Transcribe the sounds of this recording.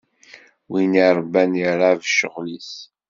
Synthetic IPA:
winiɾˤbænjəɾˤavʃə̰ʁlis

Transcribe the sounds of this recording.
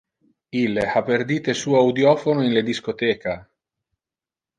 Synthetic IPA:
ilːehapːerd̪iːt̪esuːoawd̪jɔːfonoinled̪iskot̪ɛːka

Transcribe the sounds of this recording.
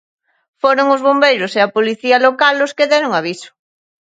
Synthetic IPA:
foɾoŋʊzβombejɾʊseɐpoliθialokalːoskeðɛɾoŋaβ̞isʊ̥

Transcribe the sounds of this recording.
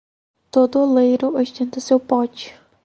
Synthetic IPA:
t̪od̪ʊlejɾʊɐʃt̪ẽnt̪ɐsewpɔt͡ʃɪ̥

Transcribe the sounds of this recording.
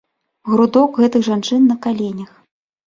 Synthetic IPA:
ɣɾud̪ɔkɣɛt̪ɨɣʐant͡ʂɨnːɐkalʲenʲɐx

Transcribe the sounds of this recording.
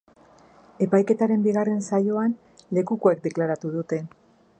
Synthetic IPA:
e̞pajke̞t̪aɾe̞mbiɣare̞nsajo̞an | le̞kuko̞ek̚d̪e̞klaɾat̪uð̞ut̪e̞

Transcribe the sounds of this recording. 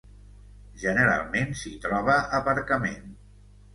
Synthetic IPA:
ʒənəɾa̰lˠmensit̪ɾɔβ̞əʔəpəɾkəmen

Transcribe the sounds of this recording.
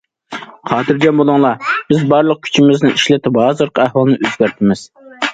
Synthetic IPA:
χɑːt̪ʰɨɾɡʲɛnbolˠʊŋlˠɑb̥ɪzbɑɾlˠəq̚kʲʰy̥t͡ʃʰimɪznɪiʃlɛt̪ɪphɑːzɨɾqʰæhwɑlˠnɨʔøzɡʲæɾt̪ʰɪmɪz̥

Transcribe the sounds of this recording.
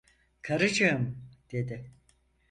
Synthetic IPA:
kʰaɾɯd͡ʒɯjmd̪̥e̞d̪ɪ

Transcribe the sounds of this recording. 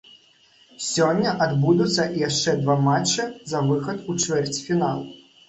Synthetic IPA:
sʲɔnʲːɐʔɐd̪bud̪ʊsʲːɐʔijaʂt͡ʃɛd̪ʋamat͡ʃːɐzɐʋɪxɐt̪ut͡ʃʋɛrtʲfʲinalˠ

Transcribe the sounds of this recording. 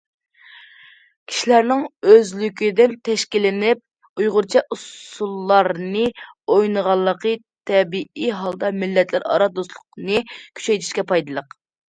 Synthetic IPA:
kʲʰi̥ʃilæɾnɪŋøzlykʲid̪ɪnt̪ʰɛʃkʲilɪnɪp̚ | ujʁʊɾt͡ʃʰɛʔusulˠːɑɾnɨojnəʁɑlˠːəqət̪ʰɛbiʔiɦɑlˠd̪ɑmɪlːɛt̪lɪɾɑ̰ɾɑd̪oslˠʊqnɨkʲʰy̥t͡ʃʰɛjt̪ʰi̥ʃkʲɛpʰɑjd̪ɨlˠəq

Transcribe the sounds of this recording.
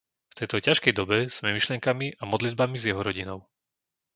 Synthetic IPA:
ft̪ɛjt̪ɔcaʃkɛjd̪ɔbɛz̥mɛmiʃlɪɛŋkamiʔamɔd̪lid̪̚bamizjɛɦɔɾɔɟinɔʊ

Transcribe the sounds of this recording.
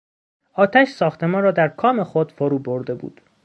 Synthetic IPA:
ʔɒːt̪ʰæʃsɒːxt̪e̞mɒːnɾɒːd̪æɾkʰɒːme̞xod̪̥foɾuːboɾd̪e̞bṵːd̪̥

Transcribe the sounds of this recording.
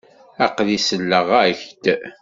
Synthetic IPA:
æqðisəlːəʁæçt̪

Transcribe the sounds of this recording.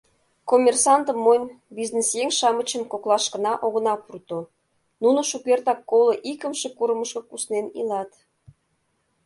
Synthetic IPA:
komʲersɑnt̪əmːonʲ | biznesjeŋʃɑmət͡ɕə̆mkoklˠɑʃkə̆nɑʔoɣə̆nɑpurt̪o | nunoʃukert̪ɑkːoloʔikəmʃekuɾəməʃkɤ̆kusnenḭlɑt̪

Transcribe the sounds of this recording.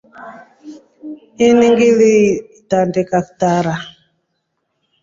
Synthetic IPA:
iniŋɡili | tandikaktaɾa

